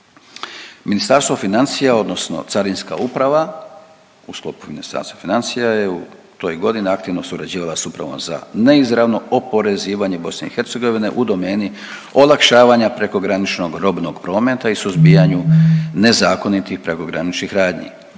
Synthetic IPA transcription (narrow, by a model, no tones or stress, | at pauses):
minist̪aɾst̪ʋo̞finant̪sijao̞d̪no̞sno̰t̪saɾinska̰upɾaʋa | usklo̞̰ːpu̥minist̪a̰ɾst̪ʋofinant̪sijaje̞ut̪o̞jɡo̞d̪ineakt̪iʋno̞suɾad͡ʑiːʋalˠasupɾa̰ʋo̞̰mza̰ne̞izɾaʋno̞opo̞ɾe̞ziːʋaɲe̞bo̞sne̞̰ixe̞ɾt̪se̞ɡo̞ʋine̞̰ʔud̪o̞me̞ːni | o̞lˠakʃaːʋaɲapɾe̞ko̞ɡɾanit͡ʃnoɡɾo̞bno̞ɡpɾo̞ːme̞t̪aisuzbiːjaɲune̞zaːko̞nit̪ixpɾe̞ko̞ɡɾanit͡ʃnixɾaːd̪ɲḭ